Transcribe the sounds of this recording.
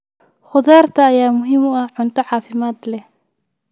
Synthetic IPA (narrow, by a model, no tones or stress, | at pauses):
χʊðaːrt̪ʰɐːjaːmʊɦɪmʊɐhʕʊnt̪ʰɐʕɑːfɪmaːd̪lɛh